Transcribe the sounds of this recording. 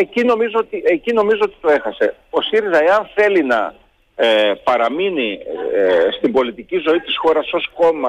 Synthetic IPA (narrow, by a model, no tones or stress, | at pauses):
ecino̞mizoot̪iʔecino̞mizo̞ot̪i̥t̪o̞e̞xɐse̞o̞siɾizɐe̞ɐnθe̞linɐ̰ | epɐɾɐmini | st̪ibo̞lit̪icizo̞it̪isxo̞ɾɐso̞sko̞mɐ